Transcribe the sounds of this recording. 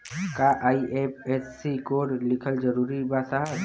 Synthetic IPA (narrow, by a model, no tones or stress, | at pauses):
kaʔaːiʔeːp̚ʰeːsːikoːɾlɪkʰəld͡ʒəɾuːɾibasaɦə